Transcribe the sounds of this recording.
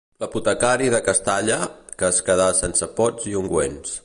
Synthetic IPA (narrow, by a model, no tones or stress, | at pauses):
ləput̪əkaɾiðəkəst̪aʎəkəːskəð̞asensəpɔd͡zziuŋɡwḛns